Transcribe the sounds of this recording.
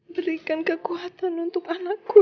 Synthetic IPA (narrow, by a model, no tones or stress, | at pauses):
bəɾikankəkuat̪anunt̪ʊkanakːu